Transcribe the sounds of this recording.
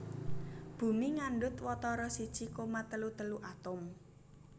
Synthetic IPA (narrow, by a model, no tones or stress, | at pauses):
b̥ṳmiŋaɳɖʊt̪wɔt̪ɔɾɔsid̥ʒ̥ikomat̪əlut̪əluʔat̪ʊm